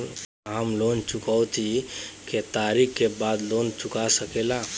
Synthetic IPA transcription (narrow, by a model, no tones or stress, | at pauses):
ɦəmlont͡ʃukaʊt̪ʰiket̪aɾikkebad̪lont͡ʃukasəkela